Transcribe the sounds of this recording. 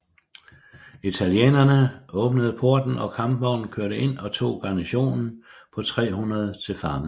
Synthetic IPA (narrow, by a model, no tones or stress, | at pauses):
it͡sʰæljḛːnɐnəɔ̽ːb̥nəð̞̩ˠəpʰo̝ɐd̥n̩ɒ̽kʰɑ̈mb̥mɒ̰ʊ̰n̩kʰøɐɾəʔe̝n̰ɒ̽t͡sʰo̝̰ːɡ̥ɑ̈næɕo̝̰ːnn̩pʰɒ̽t͡sʰʁɛ̰ːɦunɐð̞ˠt͡sʰe̝lfɑ̈m